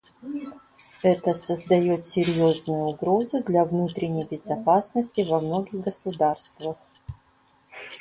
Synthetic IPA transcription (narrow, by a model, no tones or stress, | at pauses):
ɛt̪əsəzd̪ɐjo̞t̪sʲɪɾʲjoznʊjʊʊɡɾo̞zʊd̪lʲɐvnut̪ɾʲɪnʲəjbʲɪzɐpasnəsʲtʲɪvɐmno̞ɡʲɪɣɡəsʊd̪arst̪vəx